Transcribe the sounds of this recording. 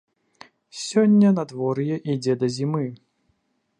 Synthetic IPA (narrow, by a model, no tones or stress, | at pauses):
sʲɔnʲːɐnad̪vɔɾjɛʔid͡zʲɛd̪ɐzʲimɨ